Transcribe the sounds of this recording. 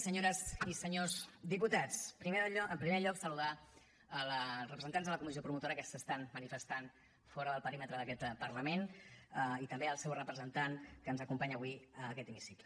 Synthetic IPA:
səɲoɾəzisəɲozd̪iput̪at͡spɾiəmpɾimeʎɔksəluða | əlˠrəpɾəzənt̪anzðələkumiziopɾumut̪oɾəkəsəst̪anmənifəst̪an | fɔɾəðəlˠpəɾimət̪ɾəðəkɛt̪pəɾləmenəit̪əmbeəlˠsɛwrəpɾəzənt̪ankəːnzəkumpaɲəβwiəkɛt̪imisiklə

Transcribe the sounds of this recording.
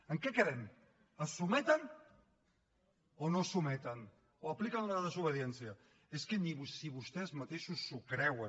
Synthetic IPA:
əŋkɛkəɾɛm | əsumɛt̪ən | onosumɛt̪ən | oəplikənunəðəzuβ̞əðiɛnsiə | eskeniβusiβust̪ɛzmat̪eʃusːukɾɛwə

